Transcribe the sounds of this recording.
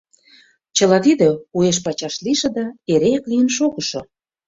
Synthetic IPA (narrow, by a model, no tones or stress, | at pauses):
t͡ɕə̆lɑt̪id̪ə̆ueʃ̬pɑt͡ɕɑʃliʃĕd̪ɑeɾeæklijə̆nʃoɣə̆ʃŏ